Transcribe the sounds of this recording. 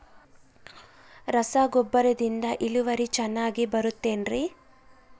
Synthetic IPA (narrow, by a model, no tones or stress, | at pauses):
ɾɐsaːɡɔbːɐɾɐd̪ind̪ɐʔiluʋɐɾit͡ʃɛnːaːɡibɐɾut̪ːe̞ːnɾi